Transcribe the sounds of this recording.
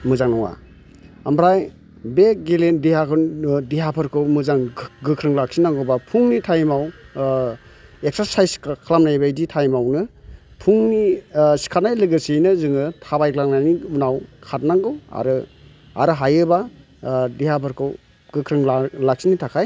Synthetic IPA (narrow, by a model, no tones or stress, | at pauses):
mɯzaŋnɔŋa̰ | ambɾaj | bek̚ɡelendiɦakʰɯndiɦapʰɯɾkʰɯwmɯzaŋɡɯkʰɾɯŋlak̚sinaŋɡɯwbapʰuŋnitʰajmaw | ek̚saɾsajskakʰalamnajbajditʰajmawnɯpʰuŋnisi̥kʰatnajlɯɡɯsijnɯzɯŋɯtʰabajklaŋnajniunawkʰat̚naŋɡɯwa̰ɾɯ | a̰ɾɯɦajɯba | diɦapʰɯɾkʰɯw | ɡɯkʰɾɯŋlak̚sinitʰakʰaj